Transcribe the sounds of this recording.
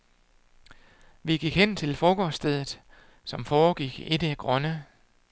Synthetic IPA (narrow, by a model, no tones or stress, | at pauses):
ʋiɡ̥iɡ̥hen̰t͡sʰe̝lfɒːɡ̥ɒːsd̥eð̞ˠð̩ˠ | sɒ̽mfɒːɡ̥iɡ̥e̝d̥əæɡ̥ʁɶnə